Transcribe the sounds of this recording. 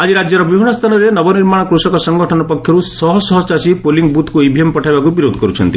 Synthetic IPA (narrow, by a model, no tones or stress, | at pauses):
ad͡ʒiɾad͡ʒjɔɾɔbibʱiɳ̃ɔst̪ʰanɔɾenɔbɔniɾmaɽ̃ɔkɾusɔkɔsɔŋɡɔʈʰɔnɔpɔkʰjɔɾusɔɦɔsɔɦɔt͡ʃasipoliŋɡ̚but̪kuibʱiempɔʈʰajbakubiɾod̪ʱɔkɔɾut͡ʃʰɔnt̪i